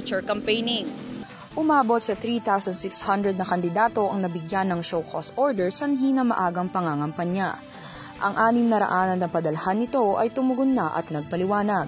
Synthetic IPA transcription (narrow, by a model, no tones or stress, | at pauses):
t͡ʃʊɹkɐmpejnɪŋ | ʔʊmaːbo̞t̪̚sɐθɾiːt̪awsɐnd̪sɪkshɐnd̪ɾɛd̪nɐkɐnd̪ɪd̪aːt̪o̞ʔɐŋnɐbɪɡjanːɐŋʃowkʰost̪ʔoɹd̪ɛɹsɐnɦiːnɐmɐ̰ʔaːɡɐŋpɐŋaːŋɐmpɐnːa | ʔɐŋʔaːnɪmnɐɾɐ̰ʔaːnɐnːɐpɐd̪ɐlɐhanːɪt̪o̞ʔɐ̰jt̪ʊmʊɡʊnːaʔɐ̰t̪̚nɐɡ̚pɐlɪwaːnɐɡ̚